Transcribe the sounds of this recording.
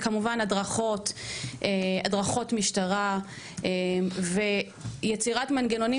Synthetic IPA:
kamuvanadʁaχo̞tʔeadʁaχo̞tmiʃtaʁa | eve̞ | jet͡siʁatmanɡeno̞ni

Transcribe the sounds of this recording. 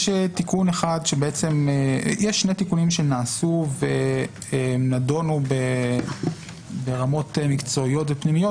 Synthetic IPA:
ʃetikuneχadʃebeet͡se̞mejeʃːnetikunimʃe̞naːsuve | enado̞nube | beʁamo̞temikt͡so̞ijo̞tvepnimijo

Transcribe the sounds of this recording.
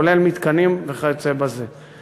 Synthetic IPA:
ole̞lmit̪kanimveχajot͡sebaze

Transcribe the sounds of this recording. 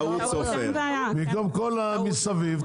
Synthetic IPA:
u | ofeaamikomkolamisaviv

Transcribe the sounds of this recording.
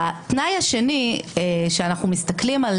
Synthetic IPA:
atnajhaʃe̞nieʃeanaχnumistaklimal

